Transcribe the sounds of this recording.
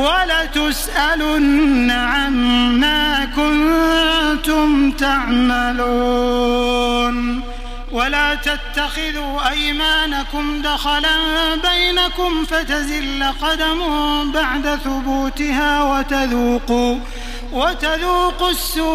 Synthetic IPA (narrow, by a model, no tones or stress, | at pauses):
walat̪ʊsʔalʊnːaʕanːaːkʊn | t̪ʊmt̪aʕmaluː | n | walaːt̪at̪ːaxɪðuːʔajmaːnakʊmd̪axalabajnakʊmfat̪azɪlːaqɑd̪amʊbaʕd̪aθʊbuːt̪ɪhaːwat̪aðuːquː | wat̪aðuːqʊsːu